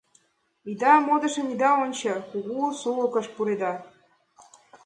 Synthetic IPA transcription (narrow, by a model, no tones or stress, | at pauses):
id̪ɑmod̪ɤ̆ʃə̆nid̪ɑonʲt͡ɕɤ̆kuɣusulə̆kɤ̆ʃpuɾed̪ɑ